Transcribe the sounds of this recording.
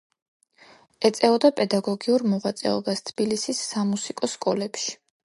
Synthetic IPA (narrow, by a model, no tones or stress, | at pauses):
ɛt̪sʼɛɔd̪apʼɛd̪aɡɔɡiuɾmɔʁat̪sʼɛ̰ɔbast̪ʰb̥ilisisːamusikʼɔskʼɔlɛpʃi̥